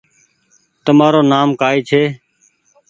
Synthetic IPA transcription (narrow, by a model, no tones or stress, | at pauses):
t̪əmaːɾoːnaːmkaːiːt͡ʃʰeː